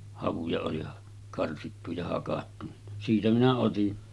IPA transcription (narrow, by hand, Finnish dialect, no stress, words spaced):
hɑʋujɑ oli kɑrsitːu jɑ hɑkɑtːu ni siːtæ minæ otin